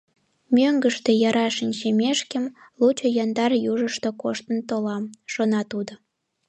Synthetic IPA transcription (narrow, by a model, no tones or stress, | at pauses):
mʲøŋɡəʃt̪ejɑɾɑʃinʲʃemʲeʃkəm | lut͡ɕojɑnd̪ɑrjuʒəʃt̪okoʃt̪ənt̪olɑmʃonɑt̪ud̪o